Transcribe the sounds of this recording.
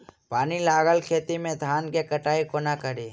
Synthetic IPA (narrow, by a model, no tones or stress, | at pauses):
paːnilaːɡəlkʰeːt̪imẽd̪ʱaːnkekɐʈaːikonakɐɾeː